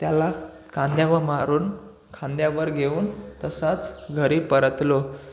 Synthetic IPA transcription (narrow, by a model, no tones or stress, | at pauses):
t̪jala | kʰãnd̪jaʋəɾmaɾuːn | kʰãnd̪jaʋəɾɡʱeuːnt̪əsat͡sɡʱəɾipəɾət̪lo